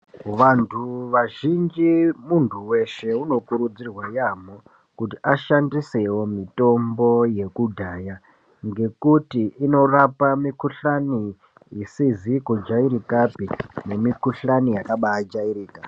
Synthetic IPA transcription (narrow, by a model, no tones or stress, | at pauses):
ʋantʰuʋaʒind͡ʒimuntʰuwe̞ʃe̞uno̞kuɾud͡zirwajamo | kutiʔaʃandisewo̞mito̞mbo̞je̞kudʱaːja | ŋɡe̞kutiːno̞rapamikuɬani | isizikud͡ʒaiɾikapine̞mikuɬanijakaɓaad͡ʒaiɾiːka